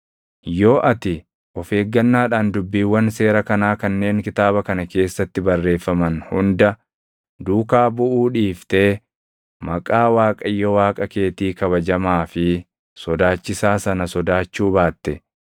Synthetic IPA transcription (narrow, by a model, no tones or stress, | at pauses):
jo̞ːʔɐt̪ɪ | ʔɔfe̞ːɡːɐnːaːᶑaːnd̪ʊbːiːwːɐnse̞ːɾɐkɐnaːkɐnːe̞ːŋkɪt̪aːβɐkɐnɐke̞ːsːɐt̪ːɪbɐrːe̞ːfːɐmɐnhʊnd̪ɐ | d̪uːkaːbʊʔuːᶑiːft̪eː | mɐkʼaːwaːkʼɐjːɔwaːkʼɐke̞ːt̪iːkɐbɐd͡ʒɐmaːfɪ | sɔd̪aːt͡ʃːɪsaːsɐnɐsɔd̪aːt͡ʃːuːbaːt̪ːɛ